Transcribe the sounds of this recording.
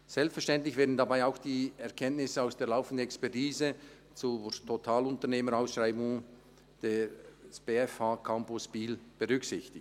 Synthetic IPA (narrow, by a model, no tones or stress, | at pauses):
z̥ɛlpsfɛʃtɛntlɪçv̥eːɐdn̩dabaɪaʊxd̥iːɛɐʁkʰɛntnɪsəaʊsd̥eːɐlaʊfən̩dən̩ɛkspɛʁtiːzə | t͡sutʰotʰaːlʊntəneːmənaʊsʃraɪbʊŋ | d̥eːsb̥eɛfhaːkʰampʊsb̥iːlb̥əʁʏksɪçtɪt